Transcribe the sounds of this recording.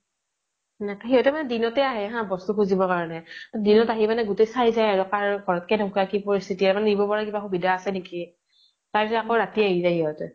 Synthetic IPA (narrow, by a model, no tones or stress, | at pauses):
nakaɦiɦɔtɛmanɛdinɔtɛaɦɛɦãbɔstukuzibɔkaɹɔnɛdinɔtaɦimanɛɡʊtejsaɹizajaɹɔkaɹɡʱɔɹɔt̚kɛdʱɔ̃kakipɔɹist̪ʰitiamanɛnibɔpɔɹakibaxubidaːsɛneki | taɹpisɔakoɹatiaɦilɛhiɦɔtɛ